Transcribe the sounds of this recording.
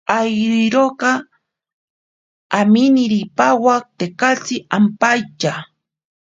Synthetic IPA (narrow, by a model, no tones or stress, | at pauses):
ajɾiɾokɑ | amɪnɪɾipawak̚t̪ekat͡sɪampajt͡ʃa